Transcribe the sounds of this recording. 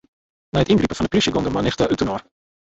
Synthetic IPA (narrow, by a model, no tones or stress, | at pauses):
nɛjətinɡripəfɔndə̥prisjəɡɔndəmanɪxtaʔytənor